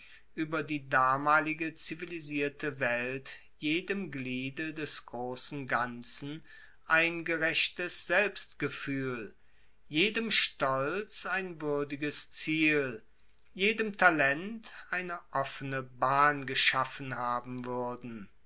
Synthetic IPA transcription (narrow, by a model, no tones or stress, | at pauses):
ʔyːbɐdiːdaːmaːlɪɡət͡siviliziːɐtʰəvɛlt | jeːdəmɡliːdədɛsɡ̥ʁoːsn̩ɡant͡sn̩ | ʔaɪnɡəʁɛɕtəsz̥ɛlpstɡ̥əfyːl | jeːdəmʃtɔlt͡saɪnvʏɐdɪɡəst͡siːl | jeːdəmtʰalɛntʔaɪnəʔɔfənəbaːnɡəʃafən̩haːbm̩vʏɐdn̩